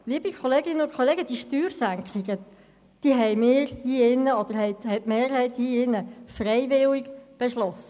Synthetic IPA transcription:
liəbikʰχɔleːɡɪnəʊnkʰɔleːɡəd̥iʃtyːɾsæŋkχɪɡə | d̥iɦɛjmɪːɾhiːɪnːəɔd̪̥əɾhɛɪthɛjtmeːɾhɛɪt̪hiːɪnːəfrɛɪvɪliɡb̥ɛʃlɔsːə

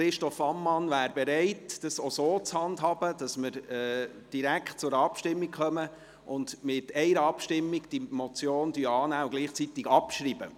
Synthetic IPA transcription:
χɾɪʃtɔfɑmːɑnvæːɾbɛɾɛɪtd̥ɑsosoːt͡shɑndɦɑbəd̥ɑsmɪɾɛː | d̥iɾækχt̚t͡sʊɾɑpʃtɪmːikχœmə | ʔʊndmɪtɛɪɾəɑpʃtɪmːiɡd̥imɔt͡sjoːnd̥yɑːnæːʊɡliːχt͡sit̪ɪɡɑpʃɾiːb̥ə

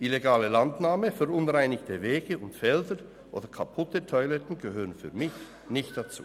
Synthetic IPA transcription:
ʔileɡaːləlandnaːməfɛʁʊnʁaɪnɪçtʰəveːɡəʔʊntfɛldə | ʔo̰ːdɐkʰapʰʊtətʰɔʏlɛtn̩ɡəɦøːʁənfy̰ːɐmɪç | nɪçt̚d̥at͡sṵː

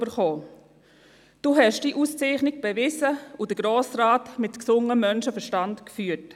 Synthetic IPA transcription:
bəɾχoː | d̥uːɦɛʃd̥iːʔust͡seɪχnɪk̚b̥ɛvɪsəud̥əɡ̥ɾoːsraːtmɪtksʊŋəmœnʃəfəʃtantkfyːət

